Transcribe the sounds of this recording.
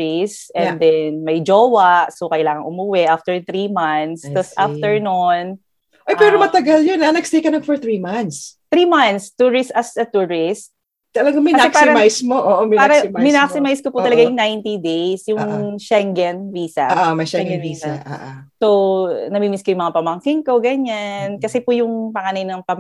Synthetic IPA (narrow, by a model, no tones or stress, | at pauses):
ɪsɛnd̪ɛnmɐjd͡ʒoːwɐʔsokɐjlaːŋɐŋʔʊmuwɛʔaft̪ɛɹθɾimɐnθsɐsʔaft̪ɛɹnon | ʔojpɛɾomɐt̪ɐɡaljonanɐɡst̪ejkɐnɐŋfɔɹθɹimɐnst̪ɾiːmɐnt̪st̪uɹɪst̪ɐsd̪ɐt̪uɹɪst̪̚ | t̪ɐlɐɡamɐkɐaɛkpaɪmajsmoʔoːʔomɐpaːɾɐmmɪnaksɪmajskopuɐlɐɡajʊŋnajnt̪id̪ejsjʊŋʃɛŋɡɛnviːsɐ̰ʔmɐʃɛɡɛnvisa̰ʔsownɐmimɪskojʊŋmɐŋapɐmɐŋkɪŋko̞ɡɐɲankɐsɛpʊjʊŋpɐŋanɐjnɐŋpɐm